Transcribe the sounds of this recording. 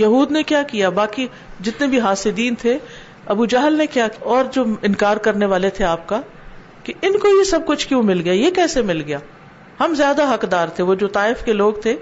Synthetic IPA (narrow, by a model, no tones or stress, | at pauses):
jɐɦuːd̪nekjaːkijabaːki | d͡ʒɪt̪nẽbʱiɦaːsɪd̪iːnt̪ʰe | ɐbuːd͡ʒaɦlnekjaːkɔːɾd͡ʒoːɪ̃nkaːɾkɐɾneʋaːlet̪ʰeaːp̚ka | kiɪnkojesɐb̚kʊt͡ʃʰkjõmɪlɡɐjaːjekɛːsemɪlɡɐjaː | hɐmzjaːd̪aɦɐkd̪aːɾt̪ʰeʋod͡ʒoːt̪aːɪfkeloːɡt̪ʰeː